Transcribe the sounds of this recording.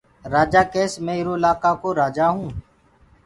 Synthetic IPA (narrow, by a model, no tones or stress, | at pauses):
ɾaːd͡ʒaːkeːsmẽːɪɾoːɪlaːkaːkoːɾaːd͡ʒaːɦũː